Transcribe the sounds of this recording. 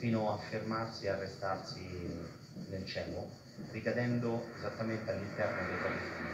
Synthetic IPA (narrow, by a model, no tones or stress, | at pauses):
fiːnoafːermarsiarːest̪arsi | nelt͡ʃɛːlʊ | rikad̪ɛnd̪oezat̪ːament̪ealːint̪ɛrnod̪ejpaiːsi